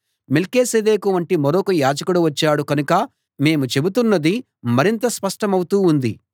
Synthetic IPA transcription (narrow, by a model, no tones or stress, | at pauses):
melkeːsed̪eːkuʋɐɳʈimɐɾoːkɐjaːd͡ʒɐkuɽuʋɐt͡ʃːaːɽukɐnukɐ | me̞ːmut͡ʃe̞but̪unːɐd̪i | mɐɾint̪ɐspɐʂʈɐmɐwut̪uːnd̪i